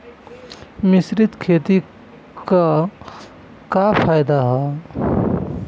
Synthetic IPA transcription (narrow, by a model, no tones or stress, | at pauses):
mɪsɾɪt̪kʰeːt̪i | ka | kapʰaːjd̪aɦɛ